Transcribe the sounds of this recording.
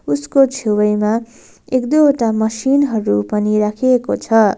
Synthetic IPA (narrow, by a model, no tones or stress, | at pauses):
uskot͡sʰewʌjma | ekd̪ʌoʈamʌsinɦʌɾupʌniɾakʰiekot͡sʰʌ